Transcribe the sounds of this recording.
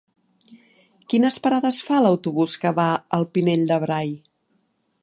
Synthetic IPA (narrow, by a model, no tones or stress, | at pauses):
kinəspəɾaðəsfaləwt̪uβuskəβaəlˠpineʎd̪əβɾaj